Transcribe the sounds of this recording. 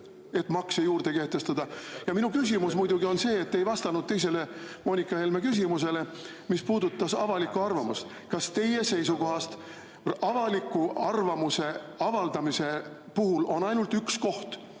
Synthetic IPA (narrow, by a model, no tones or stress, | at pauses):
e̞t̪ːˑmɑksejuːrd̪eke̞ht̪e̞st̪ɑd̪̥ɑjɑminukys̬ʲimusmujd̪uɡio̞nse̞ːt̪ːejvɑst̪ɑnud̪̚t̪e̞js̬e̞le̞mo̞ːnikːˑɑhe̞lme̞kys̬ʲimus̬e̞le̞ | mispuːd̪ut̪ːɑsɑvɑlikːuɑrvɑmust̪ | kɑst̪e̞je̞se̞jsuko̞ɦɑst̪ | ɑvɑlikːˑuɑrvɑmuse̞ɑvɑld̪̥ɑmise̞ | puɦulo̞nɑjnult̪yksko̞ht̪